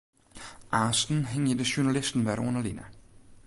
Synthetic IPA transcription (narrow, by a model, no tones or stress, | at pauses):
ʔɑːsd̥n̩ɦeŋ̰ideɕunælisd̥n̩ʋæɐɾɔnɐlinæ